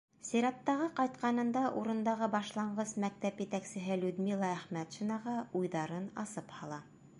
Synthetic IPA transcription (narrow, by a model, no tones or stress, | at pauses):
siɾɑt̪ːɑʁɤqɑjt̪qɑnɤ̆nd̪ɑʔuɾɤ̆nd̪ɑʁɤbɑʃlˠɑɴɢɤsmæk̚t̪æpjɘ̆t̪æksɘ̆ɦɘlʉd̪milˠɑæχmæt̪ʃŭnɑʁɑujðɑɾɤnɑ̰sɤphɑlˠɑ